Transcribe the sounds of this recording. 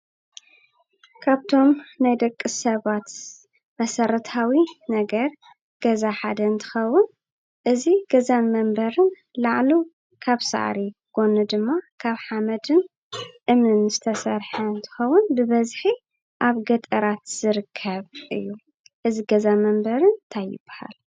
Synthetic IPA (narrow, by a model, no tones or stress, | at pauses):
kʰaβt̪ʰo̞mnajd̪ɐkʼːɨsɐβat̪ | mɐsɐɾɐt̪ʰawinɐɡɐɾ | ɡ̥ɐzaħad̪ɐnt̪ʰɨ̥xɐwːʊn | ʔɨziɡ̥ɐzanmɐmbɐɾɨn | laʕlu | kʰaβsa̰ʕ̰ɾiɡ̥o̞nud̪ɨmːakʰaβħamɐd̪ɨn | ʔɨmɨnz̥ɨt̪ʰɐsɐɾħɐnt̪ʰɨ̥xɐwːʊnbɨβɐzħi | ʔaβɡɐt̪ʼɐɾat̪z̥ɨɾɨkʰːɐβʔɨ̰jːu | ʔɨziɡɐzamɐmbɐɾɨnt̪ʰajɪ̰b̥ːaha̰l